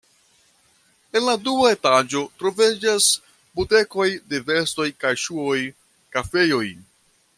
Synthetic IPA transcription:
e̞nladuae̞tad͡ʒo̞tɾo̞ved͡ʒas | bute̞ko̞jde̞ve̞sto̞jkajʃuo̞j | kafe̞jo̞j

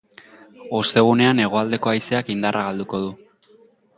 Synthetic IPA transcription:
o̞st̪e̞ɣ̞une̞ane̞ɣ̞o̞ald̪e̞ko̞ajse̞akind̪arʔaɣald̪uko̞ð̞u

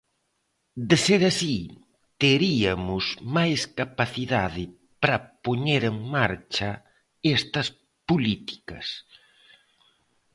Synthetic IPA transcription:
d̪ɪseɾasi | t̪eɾiɐmʊsmajskapaθiðaðɪ | pɾɐpoɲeɾeŋmaɾt͡ʃɐ | ɛst̪ɐs | polit̪i̥kɐs

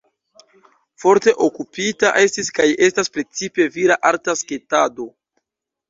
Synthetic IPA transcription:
fo̞ɾte̞ʔokupitaʔe̞stiskaje̞staspɾe̞t͡sipe̞viɾaʔaɾtaske̞tado̞

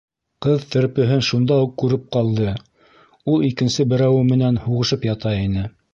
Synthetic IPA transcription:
qɤðt̪ɘ̆ɾpɵ̆ɦɘnʃund̪ɑuqːʉɾɘp̚qɑlˠd̪ɤ | ulˠikɘ̆nsɘbɘ̆ɾæwɘmɘ̆nænhuʁɤ̆ʃɤpjɑt̪ɑinɘ

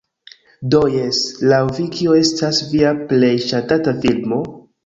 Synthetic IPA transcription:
dojeslawvikʰioe̞stasviaple̞jʃatatafilmo̞

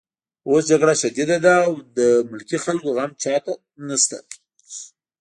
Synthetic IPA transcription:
osd͡ʒaɡɽaʃad̪id̪ad̪aːwd̪əmʊlkixalkoɣamt͡ʃɑt̪a | nast̪a̰

